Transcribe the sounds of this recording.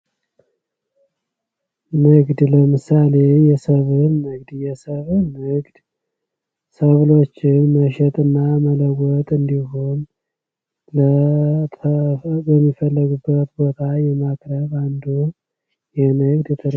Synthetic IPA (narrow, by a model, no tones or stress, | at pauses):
nɨɡd̪ləmɨsale̞jɛsəβɨnːɨɡd̪jɛsəβnɨɡd̪̥ | səβlo̞t͡ʃːɪnməʃɛt̪ʼɨnːamələɡʷɔt̪ʼɨnd̪iɦo̞n | lət̪ʰbəmːifəlːəɡubːət̪bo̞t̪ʰajɛmakʼɾəβand̪u | jɛnɨɡd̪jɛt̪ʰəd̪